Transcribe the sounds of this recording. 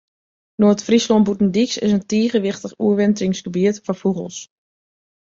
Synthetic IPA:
noəətfrislɔnbutn̩diksɪ̰s̬əntiːɣəʋɪxtəχuəʋɛntɪŋsɡ̥əbiətfɔfuɣə̰lˠs

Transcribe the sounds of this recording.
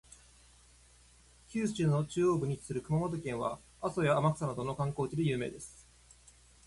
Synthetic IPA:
çʲɨːsɨ̥t͡ɕɨːno̞t͡ɕɨːo̞ːbɯ̟ɲ̟it͡ɕi̥sɨɾɯ̟kɯ̟mamo̞t̪o̞kẽ̞ɰ̃βa̰ | aso̞jaːmakɯ̟̥sanat̪o̞no̞kãŋko̞ːt͡ɕid̪ejɯ̟ːme̞̰ːd̪e̞sɨ̥

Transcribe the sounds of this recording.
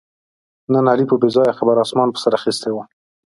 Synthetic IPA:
nanalipəbezɑjaxabaɾɑsmɑnpə̥saɾaxist̪ewa

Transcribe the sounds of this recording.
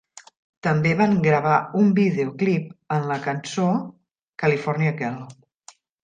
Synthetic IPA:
t̪əmbeβaŋɡɾəβ̞aumbiðeuklip̚ənləkənso | kəlifɔɾniəkɛl

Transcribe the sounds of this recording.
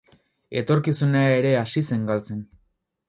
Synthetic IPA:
e̞t̪o̞ɾkisuneaeɾe̞asise̞ŋɡalt͡se̞n

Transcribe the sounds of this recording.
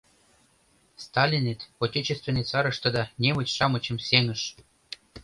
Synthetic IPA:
st̪ɑlʲinet̪otʲet͡ɕest̪vʲenet͡sɑɾɤ̆ʃt̪ɤ̆d̪ɑnʲemə̆t͡ɕʲʃɑmɤ̆t͡ɕə̆mseŋə̆ʃ

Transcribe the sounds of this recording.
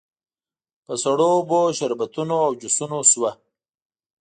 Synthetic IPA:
pəsaɽoboʃaɾbat̪unoawd͡ʒusunoswa

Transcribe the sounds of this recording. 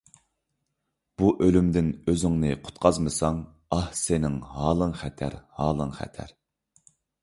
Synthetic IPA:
b̥uʔølymd̪ɪnøzɪŋnɨqʰʊ̥t̪̚qʰɑzmɨsɑŋ | ɑhsenɪŋhɑːlˠəŋχɛt̪ʰæ̰ɾhɑːlˠəŋχæ̰t̪ʰæ̰ɾ

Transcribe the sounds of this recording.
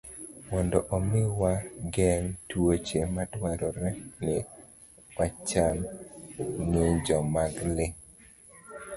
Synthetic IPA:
mɔndɔʔɔmɪwaɡɛŋtwot͡ʃematwaɾɔɾɛnɪ | wat͡ʃam | nɪd͡ʒɔmaɡlɪ

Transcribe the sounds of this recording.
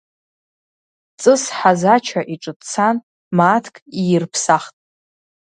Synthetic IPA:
t͡sʼɨsħazat͡ʃʰaʔiʈ͡ʂʼɨtt͡sʰan | maːtʰkʼijɪrpʰsaχtʼ

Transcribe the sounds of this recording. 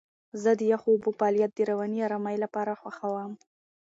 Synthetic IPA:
zəd̪əjaxoːbupɑlijat̪̚d̪əɾawaniɑɾamajlapɑɾaxwaxawam

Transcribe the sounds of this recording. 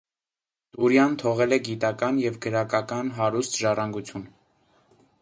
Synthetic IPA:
t̪uɾjɑnt̪ʰɔʁɛlɛɡit̪ɑkɑnjɛvɡəɾɑkɑkɑnɦɑɾust̪ʒɑrɑŋɡut͡sʰjun

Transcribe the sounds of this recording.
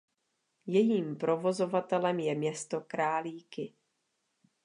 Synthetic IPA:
jɛjiːmpɾo̞vo̞zo̞vat̪ɛlɛmjɛmɲɛst̪o̞kɾaːliːkɪ

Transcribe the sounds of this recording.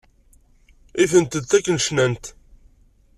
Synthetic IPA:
iθənt̪əd̪t̪ːækːənʃnænt̪

